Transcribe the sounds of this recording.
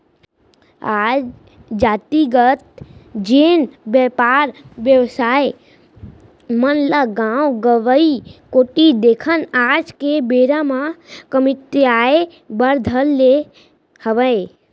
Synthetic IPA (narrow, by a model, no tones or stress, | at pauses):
ad͡ʒ | d͡ʒaːt̪iɡət̪̚d͡ʒeːnbjəpaɾʋjəʋsaːe | mənlaɡawɡəʋəikoːʈid̪ekʰənaːd͡ʒkebeːɾamãkəmɪt̪eae | bəɾd̪ʱəlːe | həʋəe